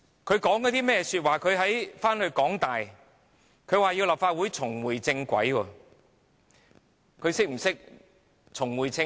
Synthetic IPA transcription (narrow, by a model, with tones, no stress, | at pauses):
kʰɵ˨˧ɥkɔː˨˥ŋkɔ˨˧˥t̪i˥mɛː˥ɛsyː˧t̚waː˨˩kʰɵ˨˧ɥɦɐ˨˥jfaː˥nhɵ˧ɥkɔː˨˥ŋt̪aː˨j | kʰɵ˨˧ɥwaː˨jiː˧wlaː˨p̚faː˧t̚wuː˨˥jt͡sʰʊ˨˩ŋwuː˨˩jt͡sɪ˧ŋkʷɐ̰˨˥jwɔː˧ | kʰɵ˨˧ɥsɪ˥k̚m̩˨˩sɪ˥k̚ | t͡sʰʊ˨˩ŋwuː˨˩jt͡sɪ˧